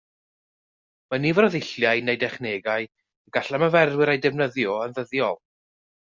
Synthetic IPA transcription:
manivɾɔðɪɬjaɨnejdɛχneːɡaɨ | əɡaɬaməvɛrwɪɾejdɛvnəðjɔənðəðjɔlˠ

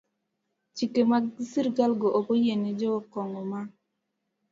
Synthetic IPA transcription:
t͡ʃikemasiɾɡalɡɔʔobojened͡ʒɔɔkɔŋɔma

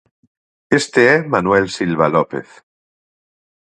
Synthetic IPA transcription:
est̪eemanwelsilβalopḛθ

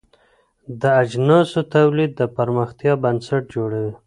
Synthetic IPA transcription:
d̪əad͡ʒnɑsot̪awlid̪ːəpaɾməxt̪jɑbansaʈ̚d͡ʒoɽawi

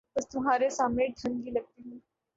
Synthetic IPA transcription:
t̪əst̪um̤ɦaɾesameʈʰəŋɡiːləɡ̚t̪imu

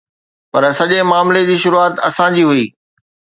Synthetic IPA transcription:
pɐɾsɐʄemaːmled͡ʑiːʃʊɾuaːt̪ɐsãd͡ʑiːɦuiː

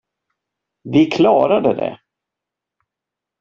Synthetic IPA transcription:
vɪkʰlɑːɾad̪əd̪ɛ̰

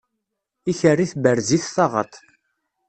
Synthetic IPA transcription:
içərːiθbəɾziθθɑʁə̰ɾt̪

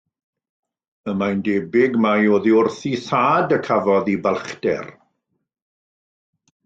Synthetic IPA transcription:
əmajndeːbɪɡmajoːðiʊrθiθaːdəkʰavɔðibalˠχdɛ̰r

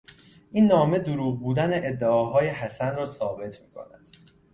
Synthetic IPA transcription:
ʔinːɒːme̞d̪oɾuːɣbuːd̪æneʔed̪ːeɒːɦɒːje̞ɦæsænrɒːsɒːbe̞t̪ʰmiːkʰo̞̰næd̪̥

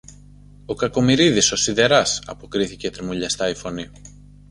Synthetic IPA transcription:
o̞kɐko̞miɾiðiso̞siðe̞ɾɐsɐpo̞kɾiθice̞t̪ɾimuʎɐst̪ɐifo̞ni

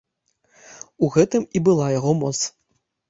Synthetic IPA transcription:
uɣɛt̪ɨmibɨlˠajaɣɔmɔt̪s

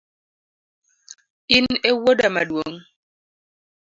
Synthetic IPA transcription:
inewodama̰ɗwoŋ

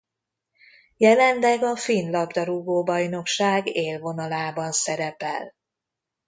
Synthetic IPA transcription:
jɛlɛnlɛɡɒfinlɒbd̪ɒɾuɡoːbɒjno̞kʃaːɡeːlvo̞nɒlaːbɒnsɛɾɛpɛ̰l

